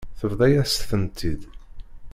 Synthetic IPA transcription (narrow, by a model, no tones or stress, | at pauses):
θəvðˤæjæst̪θənt̪ʰid̪